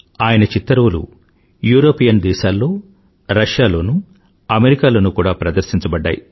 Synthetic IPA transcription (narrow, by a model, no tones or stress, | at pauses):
aːjɐnɐt͡ʃit̪ːɐɾoːlṵ | juːɾo̞ːpijɐnd̪ɛːʃaːlːo̞ː | ɾɐʂjaːlo̞ːnu | ɐmeɾikaːlo̞ːnukuːɽaːpɾɐd̪ɐɾsiɲt͡ʃɐbɐɖːa̰ːjḭ